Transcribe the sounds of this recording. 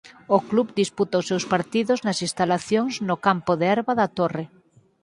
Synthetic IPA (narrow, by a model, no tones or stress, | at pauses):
okluβd̪isput̪ɐosːewspaɾt̪iðʊznɐsĩst̪alaθjoŋznokampoðeɛɾβɐðɐt̪ore